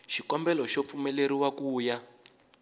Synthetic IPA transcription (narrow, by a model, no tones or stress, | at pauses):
ʃikɔmbɛlɔʃop̪fumɛleɾiwakuːja